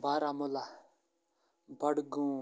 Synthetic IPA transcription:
baːɾamʊla | bɐɽɡũ

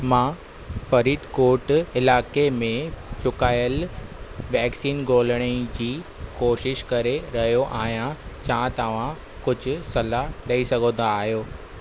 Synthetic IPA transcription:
mãː | fɐɾiːd̪koːʈɪlaːkemẽt͡ɕʊkaːjəl | ʋɛːksiːnɡoːləɽ̃əid͡ʑiːkoːʃɪʃkɐɾeɾɐɦijoʔaːɦijãt͡ɕãːt̪ɐʋ̤ã | kʊd͡ʑʱʊ̆sɐlaɗɐisɐɡʱə̃d̪aːɦjoː

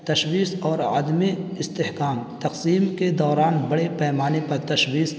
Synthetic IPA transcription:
t̪ɐʃwiːsɔːɾa̰ːd̪miɪst̪ehkaːmt̪ɐqsiːmked̪ɔːɾaːnbɐɽepɛːmaːnepɐɾt̪ɐʃwiːs

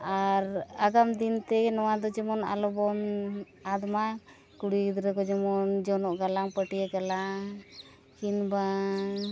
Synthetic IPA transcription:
aɾaɡamd̪int̪ɛnɔwad̪ɔd͡ʒɛmɔna̰lɔbɔm | ad̪ma | kuɽid̪ɾɛkɔd͡ʒɛmɔnd͡ʒɔnɔʔɡalaŋpəʈiaɡalaŋ | kinba

